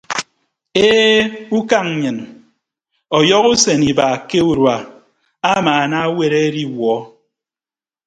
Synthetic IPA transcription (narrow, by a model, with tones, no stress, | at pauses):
e˦u˦ka˦ŋ˨ɲɨ˨n | ɔ˨jɔ˦ɣu˦se˨ni˨ba˨ke˦u˦ɾwa˨ | a˦maː˨na˦we˦ɾe˦ɾi˦wɔ˨˦